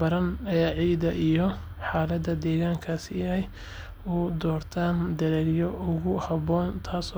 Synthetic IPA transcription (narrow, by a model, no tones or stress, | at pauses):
bɐɾɐnɐjaːʕiːd̪ɐʔijɔ | ħaːlɐd̪ɐd̪ɛːɣaːŋkʰaːsɪɛj | ʊd̪ɔːrt̪ʰaːnd̪ɐɾɛljɔʔʊɣʊhɐβɔːnt̪ʰaːsɔ